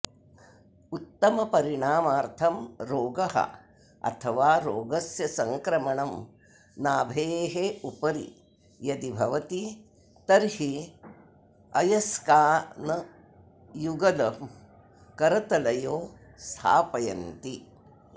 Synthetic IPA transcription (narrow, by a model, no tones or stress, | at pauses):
ut̪ːɐmɐpɐɾiɳaːmaːɾt̪ʰɐmɾoːɡɐɦɐ̰ | ɐ̰t̪ʰɐʋaːɾoːɡɐsjɐsɐŋkɾɐmɐɳɐm | naːbʱeːɦeupɐɾḭ | jɐd̪ibʱɐʋɐt̪i | t̪ɐɾhi | ɐjɐskaːnɐ | juɡɐlɐ | kɐɾɐt̪ɐlɐjoːst̪ʰa̰ːpɐjɐ̰nt̪i